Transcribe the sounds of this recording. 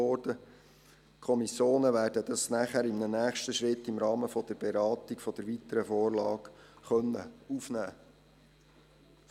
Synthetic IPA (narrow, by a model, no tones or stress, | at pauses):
ɔrd̥ə | kʰɔmisjoːnəʋæːrdəd̥̪ɑsnæχæɾɪmnənæːχʃtəʃɾɪtːɪmɾɑːməfɔd̥əɾb̥eɾɑːt̪ikfɔd̥̪əɾʋit̪əɾəfoːrlɑːkχœnːə̰ufnæː